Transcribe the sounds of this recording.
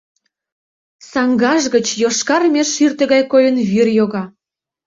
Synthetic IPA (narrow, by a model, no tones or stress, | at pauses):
sɑŋɡɑʒɣə̆t͡ɕjoʃkɑrmʲeʃːyrt̪ə̆ɣɑjkojə̆nvyrjoɣɑ